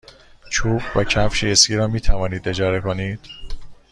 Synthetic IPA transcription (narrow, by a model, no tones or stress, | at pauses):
t͡ʃʰuːb̥væcʰæfʃieskiːɾɒːmiːt̪ʰævɒːniːd̪e̞d͡ʒɒːɾe̞koniːd̪̥